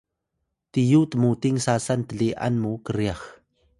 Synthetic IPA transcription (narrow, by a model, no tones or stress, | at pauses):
t̪ijut̪əmut̪iŋsasant̪əɮiʔa̰nmukəɾjax